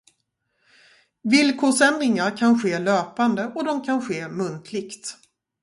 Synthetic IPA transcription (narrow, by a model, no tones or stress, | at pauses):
vɪlkʰoːʂɛnd̪ɾɪŋaɾkʰanɧeːløːpand̪əʔɔd̪ɔmkʰanɧeːmɵnt̪ʰlɪɡt̪